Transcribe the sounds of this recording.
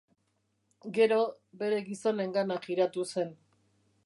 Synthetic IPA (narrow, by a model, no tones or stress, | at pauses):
ɡe̞ɾo̞ | be̞ɾe̞ɣiso̞ne̞ŋɡanakiɾat̪use̞n